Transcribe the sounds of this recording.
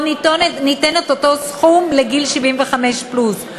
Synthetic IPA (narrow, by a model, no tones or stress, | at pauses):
nitonnitenet̪oto̞sχumle̞ɡilʃivimveχame̞ʃplus